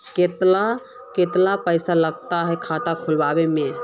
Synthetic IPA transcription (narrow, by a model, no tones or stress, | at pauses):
ket̪la | ket̪lapəjsaləɡt̪aɦɛkʰat̪akʰulbabeme